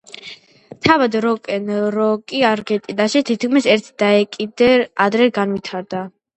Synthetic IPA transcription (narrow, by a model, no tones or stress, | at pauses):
t̪ʰavad̪ɾɔkʼɛnɾɔkʼiaɾɡɛt̪ʼid̪aʃit̪ʰit̪kʰmisɛɾt̪ʰd̪̥aɛkʼid̪ɛad̪ɾɛɡanvit̪ʰaɾd̪a